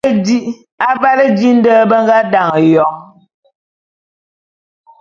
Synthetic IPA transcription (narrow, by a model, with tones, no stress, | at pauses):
di˦ʔ | a˦va˦lə˦di˦n̩˦dəː˦bə˦ŋ˦ɡa˦da˨ŋə˨jɔ˨ŋ